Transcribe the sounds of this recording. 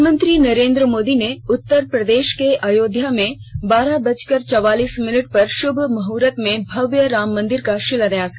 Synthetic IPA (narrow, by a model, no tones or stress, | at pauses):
mə̃nt̪ɾinɐɾẽːnd̪ɾəmoːd̪ineʊt̪ːəɾpɾɐd̪eːʃkeʔaːjoːd̪jamẽ | baːɾabɐt͡ʃkəɾt͡ʃɔʋaːliːsmɪnəʈ̚pɐɾʃʊbʱmɐɦuːɾət̪mẽbʱɐʋjəɾaːmːɐ̃nd̪ɪɾkaʃɪləɾɐjas